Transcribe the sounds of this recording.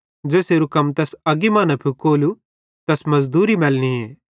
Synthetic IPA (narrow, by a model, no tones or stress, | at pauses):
d͡ʒeːseɾʊkəmt̪ɛsɐɡimãːnapʰikoːlu | t̪ɛsmɐzd̪uːɾimɛːlñieː